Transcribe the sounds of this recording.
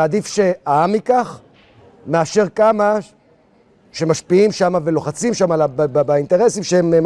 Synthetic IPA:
ad̪ifʃe̞aamikaχ | meaʃe̞ʁkama | ʃe̞maʃpiimʃamave̞lo̞χat͡simʃamalabbbaint̪e̞ʁe̞simʃeem

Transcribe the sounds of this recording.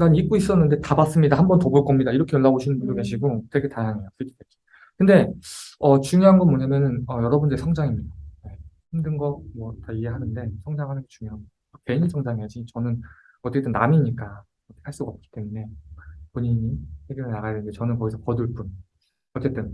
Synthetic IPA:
ɯɾanik̚k͈ois͈ʌnːɯnde̞tabas͈ɯmɲidahambʌntobuɭk͈ʌmɲidaiɾʌkʰe̞jʌɭːaboɕʰinɯmbundoke̞ɕʰiɡotwe̞ɡe̞tajaŋe̞jos͈ʰik͈ʰi̥tekʰi̥ | kɯnde̞ʌt͡ɕuŋjoɦanɡʌmoɲamjʌnɯnʌjʌɾʌbundɯɾisʰʌŋd͡ʑaŋimɲid̥ane̞ | himdɯnɡʌmwʌtaiɦe̞ɦanɯnde̞sʰʌŋd͡ʑaŋɦanɯnɡet͡ɕuŋjoɦaŋɡd | ʌke̞ɲinsʰʌŋd͡ʑaŋiad͡ʑit͡ɕʌnɯn | ʌtt͡ɕ͈e̞t͈ɯnːamiɲik͈a | ʌtʰehaɭs͈uɡaʌp̚k͈i̥t͈e̞mune̞poɲiɲisʰeɡeɾɯɭnaɡajadenɨnde̞t͡ɕʌnɯnkʌɡisʰʌpʌduɭp͈un | ʌt͡ɕ͈e̞t͈ɯn

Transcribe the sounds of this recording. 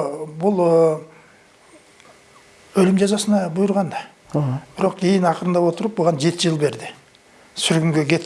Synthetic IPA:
bʊlˠə | ɵlɪmʒɑzɑsənɑbʊjʊɾʁɑnd̪ɑ | b̥ɪɾo̞qkʲʰe̞jɪnɑqəɾənd̪ɑwo̞t̪əɾəp̚boʁɑnʒe̞t̪ɪʒəlˠbe̞ɾd̪ɪ | sʏɾɡʲɪŋɡʲe̞kʲʰe̞t̪ː

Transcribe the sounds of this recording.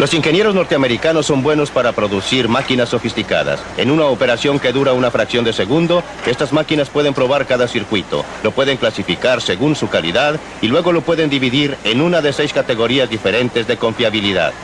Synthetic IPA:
lo̞siŋxe̞nje̞ɾozno̞ɾt̪eame̞ɾikano̞sːo̞mbwe̞no̞spaɾapɾo̞ðusiɾmakinasːo̞fist̪ika̰ða̰s | e̞̰nunaope̞ɾasjo̞ŋke̞ðuɾaunafɾaksjo̞nd̪e̞se̞ɣund̪o̞ | e̞st̪azmakinaspwe̞ð̞empɾo̞βaɾkaðasiɾkwit̪o̞̰ | lo̞pwe̞ðe̞ŋklasifikaɾse̞ɣunsukalḭðað | ilwe̞ɣo̞lo̞pwe̞ðe̞nd̪iβiðiɾe̞nunaðese̞jskat̪e̞ɣo̞ɾiazðife̞ɾe̞nt̪e̞zðe̞ko̞ɱfjaβiliða̰ð

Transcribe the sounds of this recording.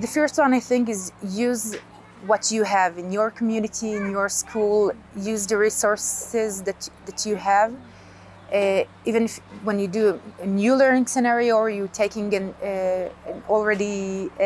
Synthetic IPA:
ðɨfɜ˞st̚wʌ̃naɪθɪ̃ŋkɪzjʉz | wʌtʰɨɨvɨ̃njə˞kʰmjʉnɨtiɨ̃njə˞skʰulˠjʉzðɨɹisɔɹsɪzðɨtðæt͡ʃʰɨæv | ivɨ̃nɪfwɛ̃njɨdɨɨnjʉlɜ̃˞nɪ̃ŋsɛnɛɹiəjɨtʰeɪkɪ̃ŋɨ̃n | l̩ˠɹɛɾi

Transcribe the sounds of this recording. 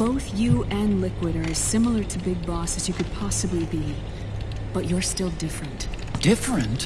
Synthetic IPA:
b̥oʊθjɨʔɨ̃nlɪkwɨɾə˞ɨz̥sɪ̃ml̩ˠə˞ɾɨbɪɡ̚bɔsɨzjɨkɨd̚pʰɑsəblibi | b̥ʌt͡ʃə˞stɪlˠdɪfɹɨ̃nt | d̥ɪfɹɨ̃nt

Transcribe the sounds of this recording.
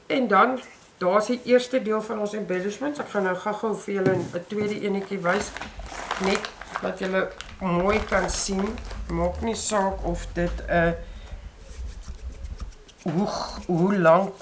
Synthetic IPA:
ɛndɐn | d̥ɑːsiʔiərstədiəlˠfɐnɔnsɛmbæləʃməntsækχɐnəχɐχəwfəjələnətwiədəʔiənəkivɐjs | nɛtvɐtjələ | muːjkɐnsinmɑːknisɑːkɔfdətə | ɦuɦulɐŋ

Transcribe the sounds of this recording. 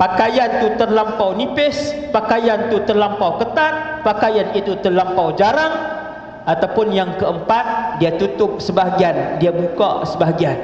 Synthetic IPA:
pakajant̪ut̪ərlampawnipɪspakajant̪ut̪ərlampawkət̪at̪̚ | pakajanit̪ut̪ərlampawd͡ʒaɾaŋ | ʔat̪awpʊnjaŋkəəmpat̪̚diat̪ut̪ʊp̚səbaɦɡiandiabukasəbaɦɡian

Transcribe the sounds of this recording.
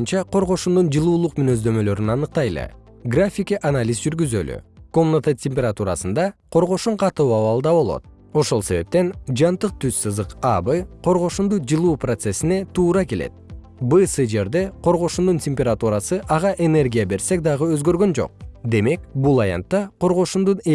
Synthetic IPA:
nt͡ʃɑqʰo̞ɾʁo̞ʃund̪und͡ʒɯlˠuːlˠuqmynø̞zd̪ø̞mø̞lø̞ɾynɑnɯq̚t̪ɑjlˠɯ̰ | ɡrafʲikiʔanalʲizd͡ʒyɾɡyzø̰ly̰ko̞mnat̪atʲʰemʲpʲeɾat̪uɾɑsɯnd̪ɑqʰo̞ɾʁo̞ʃuɴqʰɑt̪uɑβɑlˠd̪ɑβo̞lˠo̞̰t̪̚ | o̞ʃo̞lˠse̞βe̞̰p̚t̪e̞nd͡ʒɑnt̪ɯq̚t̪ʰyzsɯzd̪ɯqabɯqʰo̞ɾʁo̞ʃund̪ud͡ʒɯlˠuːprot̪se̞sine̞t̪uːɾɑke̞le̞̰t̪̚ | bɯsɯd͡ʒe̞ɾd̪e̞qʰo̞ɾʁo̞ʃund̪untʲemʲpʲe̞ɾat̪uɾɑsɯʔɑʁɑʔe̞ne̞rɡʲijabe̞ɾse̞k̚d̪ɑʁɯø̞zɡø̞ɾɡø̞nd͡ʒo̰q̚d̪e̞me̞kbulˠɑjɑ̰nt̪ːɑqʰo̞ɾʁo̞ʃund̪un

